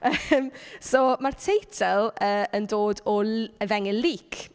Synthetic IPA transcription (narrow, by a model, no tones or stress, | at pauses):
əmsoːmartʰejtʰɛlˠəːəndoːdɔləvɛŋɪliːkʰ